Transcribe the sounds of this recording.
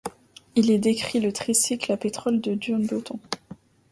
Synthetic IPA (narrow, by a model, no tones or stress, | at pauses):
ilɛd̪ekχilət̪χisiklapet̪χɔld̪əd̪ynbøt̪ɔ̃